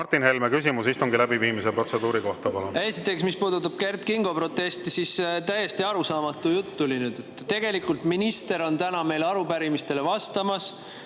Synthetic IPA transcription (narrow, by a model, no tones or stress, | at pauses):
ɑrt̪ːˑinhelmekysimusist̪uŋɡilæbiviːmisepro̞t̪se̞d̪̥uːɾiko̞ht̪ɑpɑlunje̞sit̪ːˑe̞ksmispuːd̪ut̪ːˑɑb̥̚ke̞rt̪kiŋɡ̥o̞pɾo̞t̪ːˑe̞st̪isist̪æjːe̞st̪iɑɾusɑːmɑt̪ːˑujut̪ːulinyd̪̥et̪ːˑt̪e̞ɡ̥e̞likːˑult̪minist̪e̞ɾo̞nt̪ænɑme̞jlɑɾupæɾimist̪e̞le̞vɑst̪ɑmɑs